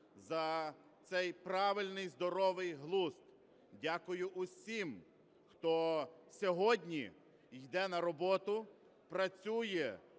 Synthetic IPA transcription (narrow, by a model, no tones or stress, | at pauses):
zɐ | t̪sɛjpɾɑʋɪlʲnɪjzd̪ɔɾɔʋɪjɦlˠust̪ | dʲakʊjʊʔʊsʲim | xt̪ɔsʲɔɦɔdʲnʲi | jd̪ɛnɐɾɔbɔt̪ʊ | pɾɐt͡sʲujɛ